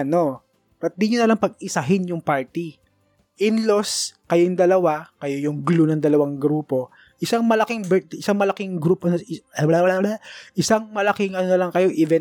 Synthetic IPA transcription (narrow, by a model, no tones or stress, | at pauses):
ɐno̞ | ɐt̪̚d̪iɲonɐlɐŋpɐɡ̚ɪsɐɦɪnjʊŋpaɹt̪i | ʔɪnloskɐjoŋd̪ɐlɐwakɐjojʊŋɡlunɐŋd̪ɐlɐwaŋɡɾuːpo̞ | ʔɪsaŋmɐlɐkɪŋbɛɪsaŋmɐlɐkɪŋɡɾuːpɐnowɐlawɐlawlaʔɪsaŋmɐlɐkɪŋɐnonɐlɐŋkɐjo̞ʔiːvɛn